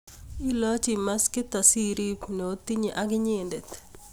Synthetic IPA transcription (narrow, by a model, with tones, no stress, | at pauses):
i˦lɔ˦t͡ʃi˨ma˦skɪ˦t̪a˨si˦ɾi˦pno˨o˦t̪i˦ɲi˨ʔa˦ɡɪ˦ɲe˦nde˨t̪